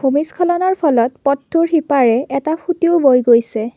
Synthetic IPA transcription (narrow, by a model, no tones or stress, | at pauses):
homiskʰɔlɔnɔɹpʰɔlɔtpɔtʰːuɹxipaɹɛɛtapʰutiʊbojɡojsɛ